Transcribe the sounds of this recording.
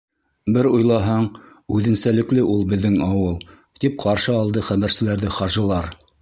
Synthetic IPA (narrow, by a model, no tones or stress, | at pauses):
bɘɾujlˠɑɦɑɴ | ʉðɘ̆nsælɘ̆klɘʔulˠbɘ̆ðːɘŋɑwɤlˠ | t̪ip̚qɑɾʃɤɑlˠd̪ɤχæβæɾsɘ̆læɾðɘχɑʒɤ̆lˠɑɾ